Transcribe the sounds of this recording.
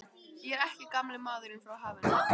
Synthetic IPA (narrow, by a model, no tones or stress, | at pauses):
jɛɾɛhcɪkamlɪmaːðʏɾɪnfɾawɦaːvɪn